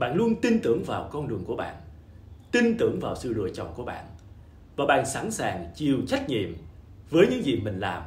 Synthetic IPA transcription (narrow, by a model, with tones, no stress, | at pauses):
ɓa̰ː˧˨nlu˧ənt̪i˧nt̪ɨ˧˩əŋvaː˨˩wkɔ˧nɗɨ˨˩əŋku˧˩əɓa̰ː˧˨n | t̪i˧nt̪ɨ˧˩əŋvaː˨˩wsɨ̰˧˨lṵ˧˨əjt͡ɕɔ̰˧˨wŋ͡mku˧˩əɓa̰ː˧˨n | vaː˨˩ɓa̰ː˧˨nsa˧˥nsaː˨˩ŋt͡ɕi˨˩əwt͡ɕa˦˥jk̟̚ɲḭ˧˨əm | vəː˨˦jɲɨ̰˧˥ŋzi˨˩mï˨˩ŋ̟laː˨˩m